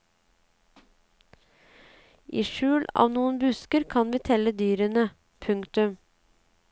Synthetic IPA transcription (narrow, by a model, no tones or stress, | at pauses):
ʔḭːʃʉːlɑ̰ːʋnuːənbʉskəɾkʰɑnʋiːt̪ʰɛləd̪yːɾənə | pʰʉŋkt̪ʉm